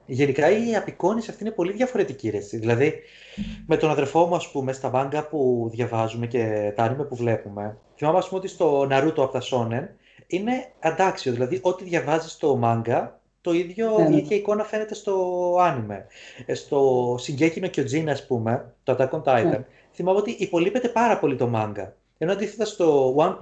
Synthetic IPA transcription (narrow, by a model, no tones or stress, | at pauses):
ʝe̞nikɐiɐpiko̞nisiɐft̪inepo̞liðʝɐfo̞ɾe̞t̪iciɾesiðilɐði | me̞t̪o̞nɐðe̞lfo̞muɐspume̞st̪ɐmɐŋɡɐpuðʝɐvɐzume̞ce̞t̪ɐɐnimepuvle̞pume̞ | θimɐmeɐspumeot̪ist̪o̞nɐɾut̪uɐpot̪ɐso̞nen | ine̞ɐnd̪ɐksio̞ðilɐðiʔo̞t̪iðʝɐvɐzist̪o̞mɐŋɡɐ | t̪o̞iðʝo̞it̪çɐiko̞nɐfe̞ne̞t̪e̞st̪o̞ɐnime̞̰st̪o̞siɲɟe̞cino̞ceod͡zinɐspume̞t̪oɐt̪ɐko̞nt̪ɐj̪eɾ | θimɐmeo̞t̪iʔipo̞lipe̞t̪e̞pɐɾɐpo̞lit̪o̞mɐŋɡɐ̰ | eno̞ɐnd̪iθet̪ɐst̪o̞wɐn